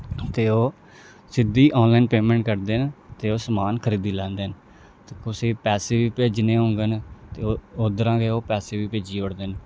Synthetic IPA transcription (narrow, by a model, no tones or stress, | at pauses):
t̪eːoː | sɪd̪iːʔɔːnlaːinpeːmɛ̃ːɳʈkəɾd̪eːnt̪eːoːsəmaːnkʰəɾiːd̪iːlɛ̃ːnd̪eːn | t̪ekʊsiːpɛːseːʋiːpeːd͡ʒneːɦõːŋɡent̪eːoːd̪əɾãːkeoːpɛːseːʋiːpeːd͡ʒiːoɽd̪eːn